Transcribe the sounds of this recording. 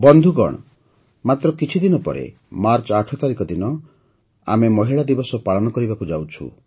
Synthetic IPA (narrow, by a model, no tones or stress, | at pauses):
bɔnd̪ʱuɡɔ̰ɽ̃ɔ | mat̪ɾɔkit͡ʃʰid̪inɔpɔ̰ɾḛ | maɾt͡ʃɔaʈʰɔt̪aɾikɔd̪inɔ | a̰memɔɦiɭad̪ibɔsɔpaɭɔnɔkɔɾibakud͡ʒawt͡ʃʰṵ